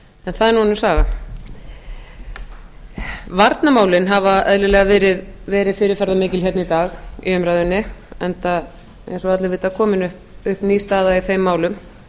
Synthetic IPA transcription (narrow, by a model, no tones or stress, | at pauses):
ɛnθaðɛɾnuanʏmsaːɣa | vaɾt̪namaːwlɪnɦavaɛ̰ðlɪlɛːɣavɛːɾɪðvɛːɾɪðfɪːɾɪɾfɛɾðamɪːcɪlçɛt̪nit̪aːɣḭʏmɾajðʏnːɪɛnt̪a | ḛjnsɔat̪lɪvɪːt̪akʰɔːmɪnʏhpʏhpniːst̪aːðaiθejmːaːwlʏm